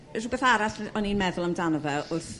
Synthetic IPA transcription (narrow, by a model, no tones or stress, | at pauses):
rubeθaɾaɬɔninmɛðʊlˠəmdanɔvɛʊrθ